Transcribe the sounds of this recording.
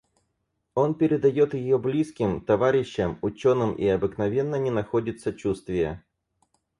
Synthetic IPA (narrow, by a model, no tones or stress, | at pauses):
o̞npʲɪɾʲɪd̪ɐjo̞t̪jɪjo̞blʲiskʲɪmt̪ɐvaɾʲɪɕːəmʊt͡ɕo̞nɨmḭɐbɨknɐvʲe̞nːənʲɪnɐxodʲɪt̪sət͡ɕust̪vʲɪjə̰